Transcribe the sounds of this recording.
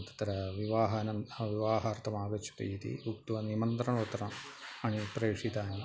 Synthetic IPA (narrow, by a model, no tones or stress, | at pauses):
t̪ɐ̥t̪ɐɾɐʋiʋaːɦɐnɐʋiʋaːɦɐrt̪ʰɐmaːɡɐt͡ʃʰːu̥t̪ɐ̰it̪ḭbukt̪uʋɐnimɐnt̪ɾɐɳɐʋɐt̪ɾɐmɐɳipɾeːkʂit̪aːni